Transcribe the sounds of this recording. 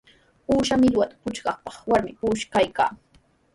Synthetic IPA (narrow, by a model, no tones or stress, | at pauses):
uːʃamɪʎwat̪ḁpʊt͡ʃɢɑχpɑχwaɾmɪpuːʃkajka̰ː